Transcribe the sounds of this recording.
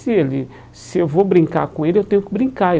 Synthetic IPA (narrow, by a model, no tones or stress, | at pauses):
sɪelɪ | sɪewvobɾĩŋka̰ɾkõelɪewt̪ẽɲʊkɪbɾĩkae